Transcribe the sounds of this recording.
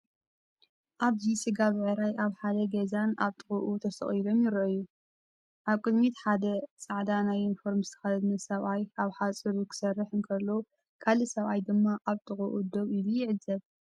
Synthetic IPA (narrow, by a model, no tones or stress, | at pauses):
ʔaβzisɨɡaβɨʕɨɾajʔaβħad̪ɐɡɐzanaβt̪ʼɨχʼuʔut̪ʰɐst̪ʰɐ̰χʼjilo̞mjɪɾʔɨju | ʔaβkʼɨd̪mit̪ħad̪ɐt͡sʼaʕd̪anajinfo̞ɾmɨst̪ʰɐ̥xɐld̪nɨsɐβʔajaβħat͡sʼɨɾukʰɨ̥sɐrːɨħɨnkʰɐlːo | kʰalɨsɐβʔajd̪ɨmːaʔaβt̪ʰʼɨxʼuʔud̪oβilujɪʕɨzːɐβ